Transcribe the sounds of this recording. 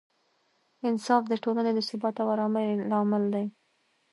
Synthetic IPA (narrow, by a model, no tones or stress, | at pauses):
ɪnsɑfd̪əʈolaned̪əsʊbɑt̪awaɾɑmaɾlɑmɪld̪aj